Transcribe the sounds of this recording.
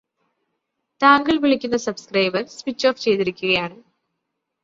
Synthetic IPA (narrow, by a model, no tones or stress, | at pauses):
t̪aːŋɡɐɭʋiɭikʲːunːɐsɐbskrɐjbɐɾsʋit͡ɕːo̞ːft͡ɕe̞jt̪iɾikʲːuɣɐjaːɳɨ